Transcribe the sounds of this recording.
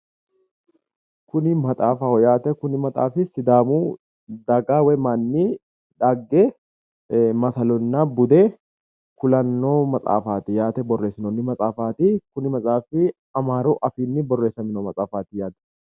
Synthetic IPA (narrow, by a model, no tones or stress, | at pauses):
kʊnɪmɐt̪ʼaːfaɔjaːt̪ɛkʊnɪmɐt̪ʼa̰ːfɪsɪd̪aːmuː | d̪ɐɡaːwɛmaːnːi | ᶑaːɡːe | mɐsɐlɔnːaːbʊd̪eː | kʊlɐnːoːmɐt͡sʼa̰ːfaːt̪ɪjaːt̪ɛbɔrːe̞ːsɪnonːɪmɐt͡sʼaːfaːt̪ikʊnɪmɐt͡sʼaːfɪ | ɐmaːɾoːʔɐfiːnːɪbɔrːe̞ːsːɐmɪnoːmɐt͡sʼaːfaːt̪ɪjaːd̪ɛ̥